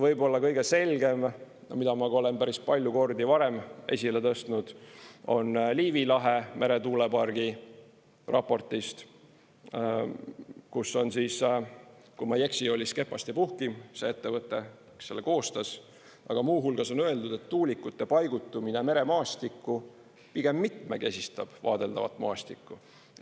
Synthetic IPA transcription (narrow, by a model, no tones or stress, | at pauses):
vɤjbo̞lːɑkɤjɡ̥e̞se̞lʲɡ̥e̞m | mid̪ɑmɑɡuo̞le̞npæɾispɑlʲjuko̞rd̪ivɑɾe̞mʔe̞̰sʲilet̪ɤst̪nud̪̥o̞nliːvilɑɦeme̞ɾe̞t̪uːle̞pɑrɡ̥i | rɑ̰pːˑo̞rt̪ˑist̪ | kusːo̞nsiːs | kumɑje̞ksio̞lʲiske̞pːˑɑst̪ipuhkimse̞e̞t̪ːe̞vɤt̪ːˑe̞ | se̞lːeko̞ːst̪ɑs | ʔɑ̰ɡ̥ɑmuːɦulɡ̥ɑso̞nøe̞ld̪ud̪̥et̪ːuːlikːˑut̪ːe̞pɑjɡ̥ut̪ːˑumineme̞ɾe̞mɑːst̪ikːˑu | piɡ̥e̞mːit̪meke̞sʲist̪ɑb̥vɑ̰ːd̪e̞ld̪ɑ̰vɑt̪ːˑmɑːst̪ikːu